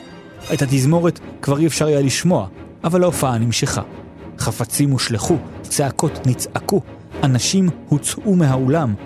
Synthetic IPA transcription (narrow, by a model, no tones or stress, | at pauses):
ethat̬izmo̞ʁetkvaʁiefʃaʁajaliʃmo̞aʔavalaofaanimʃeχa̰ | χafat͡simuʃleχut͡seako̞tnit͡saku | anaʃimhut͡sʔumeɦaolam